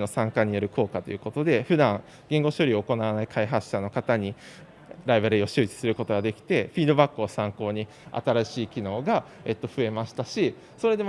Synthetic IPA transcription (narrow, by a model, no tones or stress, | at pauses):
no̞sãŋkaɲ̟ijo̞ɾɯ̟kʰo̞ːkat̪o̞jɯ̟ko̞t̪o̞d̪e̞ɸɯ̟d̪ãŋ | ɡ̥ẽ̞ŋɡo̞ɕo̞ɾʲio̞ːko̞naβanaikʰaiɦasɨ̥ɕano̞kat̪aɲ̟i | ɾaibaɾio̞ɕɨːt͡ɕi̥sɨɾɯ̟ko̞t̪o̞ɡad̪e̞kʲi̥t̪e̞ɸʲiːd̪obakːɯ̟osãŋko̞ːɲ̟i | a̰t̪aɾaɕiːkʲino̞ːɡa | e̞t̪ːo̞ɸɯ̟e̞maɕi̥t̪aɕi | so̞ɾe̞d̪e